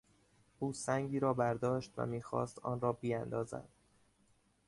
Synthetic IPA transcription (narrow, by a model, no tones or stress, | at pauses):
ʔuːsæŋɟiːɾɒːbæɾd̪ɒːʃt̪væ̰miːxɒ̰ːst̪ɒ̰ːnɾɒːbiːænd̪ɒːzæ̰d̪̥̚